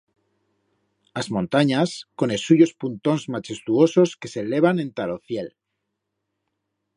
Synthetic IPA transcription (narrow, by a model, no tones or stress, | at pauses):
azmõ̞nt̪aɲasko̞nesuʝospunt̪o̞nzmat͡ʃe̞st̪uo̞so̞ske̞sele̞β̞anẽ̞nt̪aloθje̞l